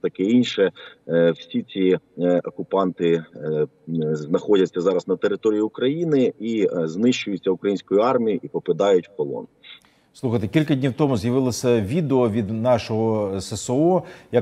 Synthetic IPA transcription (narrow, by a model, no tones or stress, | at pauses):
t̪ɐkɛinʲʃɛwsʲit͡sʲiɔkʊpɑnt̪ɪ | znɐxɔdʲɐtʲt͡sʲːɐzɑɾɐznɐt̪eɾɪt̪ɔɾʲijiʊkɾɐjinɪiznɪʃt͡ʃʊjʊt͡sʲːɐʊkɾɐjinʲsʲkɔjʊɑrmʲijiʔipɔpɪd̪ɑjʊtʲkɔlˠɔ̰n | slˠuxɐjt̪ekʲilʲkɐdʲnʲiwt̪ɔmʊzjɐʋɪlˠɐsʲɐʋʲid̪eɔʋʲid̪nɑʃɔɦɔsesoɔjɐ